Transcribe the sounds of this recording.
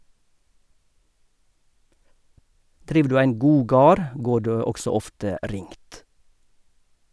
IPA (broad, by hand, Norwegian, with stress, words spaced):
ˈdɾiːʋ ˈdʉː ˈæɪn ˈɡuː ˈɡɑːɾ ˈɡoː ˈɖeː ˈɔksɔ ˈɔftə ˈɾɪŋt